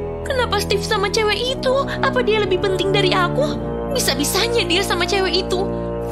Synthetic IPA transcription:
kənapast̪ifsamat͡ʃewɛʔit̪u | apadialəbɪhpənt̪ɪŋdaɾiaku | bisabisaɲadiasamat͡ʃewɛʔit̪u

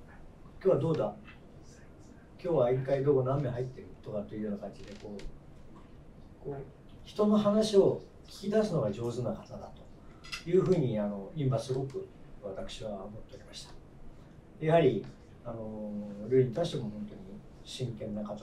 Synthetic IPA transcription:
kʲoːβad̪o̞ːd̪a | kʲo̞ːβaiŋkaid̪o̞ːɡonãmːe̞ɦait̪ːe̞ɾɯ̟t̪o̞kat̪ːeiɯ̟jo̞ːnakãɲ̟d͡ʑid̪e̞ko̞ː | koː | çi̥t̪o̞no̞ɦanaɕio̞ | kʲi̥kʲid̪asɨno̞ɡad͡ʑo̞ːzɨnakat̪ad̪at̪o̞̥ | jɯ̟ːɸɯ̟ːɲ̟iano̞ĩmbasɨɡo̞kɯ̟βat̪akɯ̟̥ɕiβamo̞t̪ːe̞oɾʲimaɕi̥t̪ḁ | ejaɦaɾʲi | ano̞ɾɯ̟ːiɲ̟it̪aiɕi̥t̪e̞mo̞hõ̞nt̪o̞ɲ̟i | ɕĩŋkẽ̞nːakat̪

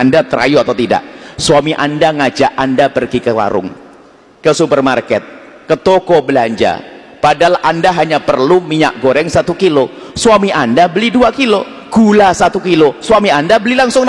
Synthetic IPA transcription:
andat̪əɾa̰juat̪awt̪ida̰ʔsuamiʔandaŋad͡ʒaʔandapərɡikəla̰ɾʊ̰ŋ | kəsupərmarkɛt̪̚ | kət̪okobəlaɲd͡ʒa̰ | padaalandaɦaɲapərlumiɲa̰ʔ̚ɡoɾɛŋsat̪ukilosuamiʔandabəliduakilo | ɡ̥ulasat̪ukilosuamiandabəlilaŋsʊŋ

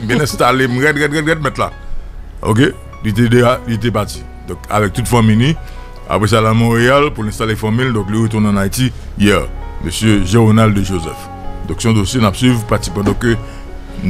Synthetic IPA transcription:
m̩bjɛ̃nɛ̃st̪alem̩ʁɛtʁɛtɣɛtɛt̚mɛtla̰ | o̰k̬e | lit̬edealit̪̬epati̥ | d̪ɔ̃ka̰vɛk̚t̪utfãmijni | a̰pɣes̬alamɔ̃ʁealpulɛ̃st̪alefãmind̪ɔ̃kliət̪uʁnãːnaitijɛʁmøsjøʒeʁonaldəʒozɛ̰f | d̪ɔ̃ksɔ̃d̪osjenapsɥivpatsipãd̪ɔ̃kːø

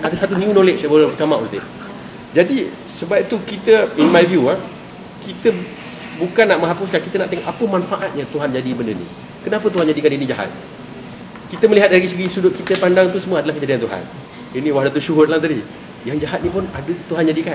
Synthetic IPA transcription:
adəsat̪uniunolet͡ʃbət̪amãʔṵt̪eʔ | d͡ʒadi | səbapit̪ukit̪əinmãjvjua | kit̪ə | bukanːaʔmə̃ŋɦapʊs̬kankit̪ənaʔt̪eŋɔʔapəmãnfaʔat̪̚ɲat̪uɦand͡ʒadibəndənḭ̃ | kənãpət̪̬uɦand͡ʒadikaninĩd͡ʒaɦa̰t̪̚ | kit̪əməliɦat̪̚daɾisəɡisudʊʔ̪̚kit̪əpandaŋt̪usəmuwəadəlahkəd͡ʒadiant̪uɦa̰n | inĩwahdat̪uʃuɦʊtlaadi | jaŋd͡ʒaɦat̪̚nĩp̬ʊnadət̪uɦand͡ʒadikan

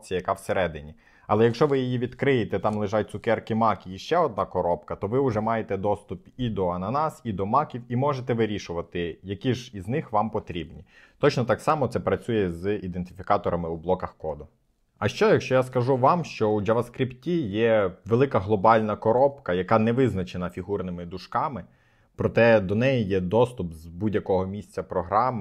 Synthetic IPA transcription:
t͡sʲijɐjɐkɑwseɾɛd̪ɪnʲi | ɐlˠɛjɐkʃt͡ʃɔʋɪjɔjiʋʲid̪kɾɪjet̪ɛt̪ɑmlˠɪʒɑt̚ʲt̪sʊkɛrkɪmɑkʲiiʃt͡ʃɛɔd̪̚nɑkɔɾɔpkɐt̪ɔʋɪʊʐɛmɑjet̪ɛd̪ɔst̪ʊpid̪ɔɐnɐnɑsid̪ɔmɑkʲiwimɔʒet̪ɛʋɪɾʲiʃʊʋɐt̪ɪjɐkʲiʒiznɪxʋɑmpɔt̪ɾʲibnʲḭ | t̪ɔt͡ʃnɔt̪ɑksɑmɔt̪sɛpɾɐt͡sʲujɛzid̪ent̪ɪfʲikɑt̪ɔɾʔɐmɪublˠɔkɐxkɔd̪ɔ | ɐʃt͡ʃɔjɐkʃt͡ʃɔjaskɐʒuʋɑmʃt͡ʃɔud͡ʒɐʋɐskɾʲiptʲijɛʋelˠɪkɐɦlˠɔbɑlʲnɐkɔɾɔpkɐjɐkɑnɛʋɪznɐt͡ʃenɐfʲiɦurnɪmɪd̪ʊʃkɑmɪ | pɾɔt̪ɛd̪ɔnɛjijɛd̪ɔst̪ʊpzbudʲjɐkɔɦɔmʲisʲt͡sʲɐpɾɔɦɾɑm

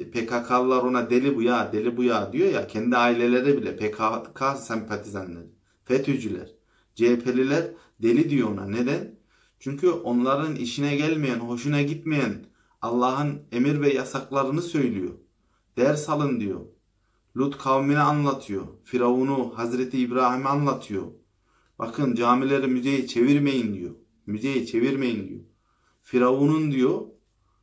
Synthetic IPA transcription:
pʰekʰakʰalˠlːˠaɾo̞nad̪elʲibujad̪elʲibujaːd̪ijo̞ja̰cʰɛnd̪iaːilʲelʲeɾibilʲɛ̰pʰekʰakʰasɛmpʰat̪ʰizanlʲɛ̰ɾ | fɛt̪ʰyd͡ʒylʲæ̰ɾ̥ | d͡ʒeːpʰelʲilʲæɾ | d̪e̞lʲid̪ijona̰ned̪æn | t͡ʃʰyɲcʰyʔo̞nlˠaɾɯnḭʃinɛɟælʲmejænɦo̞ʃ̬unaɟit̪mejæn | alˠːaːɦɯne̞miɾvɛjasaklˠaɾɯnɯsø̞jlʲijo̰ | d̪̥æɾshalˠɯnd̪ijo̞̰ | lʲut̪kʰavminɛanlˠat̪ʰɯjo̰fiɾaunuhazɾet̪ʰiːbɾaːɦimɛanlˠat̪ʰɯjo̰ | ba̰kʰɯnd͡ʒaːmilʲeɾimyzejit͡ʃʰeviɾmejind̪ḭjo̰ | myzejit͡ʃʰe̞viɾme̞jind̪ḭjo̰ | fiɾaunund̪ijo

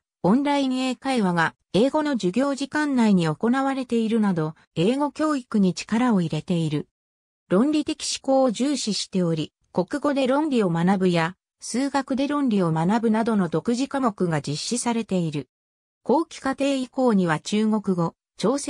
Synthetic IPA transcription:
õ̞nɾaĩɰe̞ːkaiβaɡa | e̞ːɡo̞no̞d͡ʑɨɡʲo̞ːʑikãnːaiɲ̟io̞ko̞naβaɾe̞t̪e̞iɾɯ̟nad̪o̞ | e̞ːɡo̞kʲo̞ːikɯ̟ɲ̟it͡ɕi̥kaɾao̞iɾe̞t̪e̞iɾɯ̟ | ɾõ̞nɾʲit̪e̞kʲi̥ɕi̥ko̞ːoʑɨːɕiɕi̥t̪e̞o̞ɾʲi | ko̞kɯ̟ɡo̞d̪e̞ɾõ̞nɾʲio̞manabɯ̟ja | sɨːɡakɯd̪e̞ɾõ̞nɾʲio̞manabɯ̟nad̪o̞no̞d̪o̞kɯ̟ʑikamo̞kɯ̟ɡad͡ʑiɕːisaɾe̞t̪e̞iɾɯ̟ | ko̞ːkʲi̥kat̪e̞ːiko̞ːɲ̟iβ̞at͡ɕɨːŋo̞kɯ̟ɡo̞ | t͡ɕo̞ːs

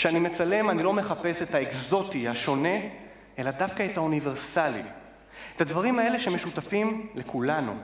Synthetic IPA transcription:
ʃeanime̞t͡sale̞manilo̞me̞χape̞setaekzo̞tihaʃo̞ne̞ | e̞ladafkaetaunive̞ʁsalḭ | etadvaʁimhae̞le̞ʃeme̞ʃutafimle̞kʰulanṵ

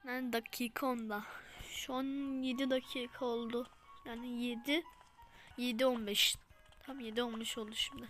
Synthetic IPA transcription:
nand̪acʰiːkʰaond̪aʃanjed̪id̪acʰiːkʰaolˠd̪ʊ | jaːnɪjed̪i | jed̪ionbɛʃ | t̪ʰamjed̪io̞nbɛʃolˠd̪uʃimd̪ɪ

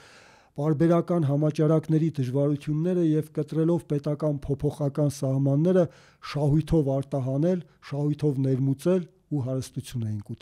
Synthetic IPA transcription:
pɑɾbɛɾɑkɑn̪ɦɑmɑt͡ʃɑɾɑknɛɾid̪əʒvɑɾut̪ʰjunːɛɾəjɛvkət̪ɾɛlɔvpɛt̪ɑkɑnpʰɔpʰɔχɑkɑnsɑhmɑnːɛɾə | ʃɑɦujt̪ʰɔvɑɾt̪ɑɦɑnɛl | ʃɑhujt̪ʰɔvnɛɾmut͡sɛl | uɦɑɾəst̪ut͡sʰjunɛjinkut̪

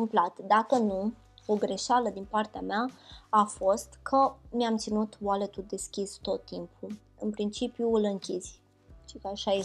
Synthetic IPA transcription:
ɨmplat̪d̪akənu | o̞ɡɾe̞ʃaləd̪inpart̪eameaafo̞st̪kʰəmiamt̪sinut̪walet̪uld̪e̞skʲist̪o̞t̪ːimpʰu | ɨnpɾint͡ʃipjuɨlɨŋkʲizʲ | ʃikəaʃaje

